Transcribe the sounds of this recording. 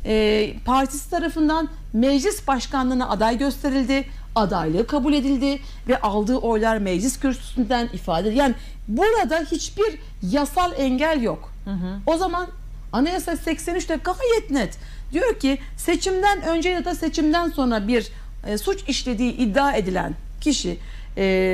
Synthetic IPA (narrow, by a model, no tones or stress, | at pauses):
ɛpʰaɾt̪ʰi̥si̥t̪ʰaɾafɯnd̪an | mɛd͡ʒlʲisbaʃkanlˠɯːnaʔad̪ajɟø̞st̪ʰe̞ɾilʲd̪ɪ | ad̪ajlˠɯkʰabulʲe̞d̪ilʲd̪ɪ | vɛʔalˠd̪ɯːʔo̞jlˠaɾmɛd͡ʒlʲiscʰyɾsʰy̥synd̪ænifaːd̪ed̪jaːnɪ | buɾad̪ahit͡ʃbiɾ | jasalˠɛɲɟælʲjo̞k | o̞zaman | anajasalsɛcsenyt͡ʃt̪ʰɛɡaɦajɛt̪nɛt̪ | d̪̥ijo̞ɾcʰi | se̞t͡ʃʰimd̪ænø̞nd͡ʒej̪ad̪ase̞t͡ʃʰimd̪ænso̞nɾabiɾ | sut͡ʃiʃlʲe̞d̪iːʔid̪ːaːe̞d̪ilʲæ̰n | cʰiʃi